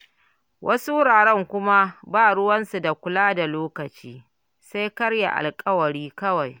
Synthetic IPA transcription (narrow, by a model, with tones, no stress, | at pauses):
wʔɐ˦su˦ɽaː˨ɽɛ˦˨ŋkʷʊ˦ma˦baː˦˨ɽʊ˦wɐ˦nsu˨da˨kʷʊ˦laː˦da˨loː˦kɐ˨t͡ʃiː˦ | sa˦jkɐ˦ɽja̰˨ʔa̰˨lkʼɐ˦wɐ˨ɽiː˦kɐ˦wa˨j